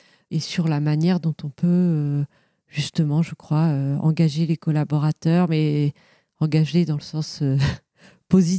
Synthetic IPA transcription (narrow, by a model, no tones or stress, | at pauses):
esyʁlamanjɛʁd̪ɔ̃t̪ɔ̃pø | ʒ̥yst̪əmɑ̃ʒəkχwaøɑ̰̃ɡaʒelekɔlabɔʁat̪œʁmɛ | ɑ̃ɡaʒeled̪ɑ̃ləsɑ̃sø | pozi